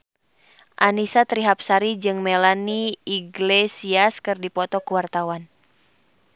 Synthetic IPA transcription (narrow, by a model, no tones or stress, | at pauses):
ʔanisat̪ɾiɦap̚saɾid͡ʒɨŋmɛlaniːɡlesiaskɨrdipɔt̪ɔkuwart̪awan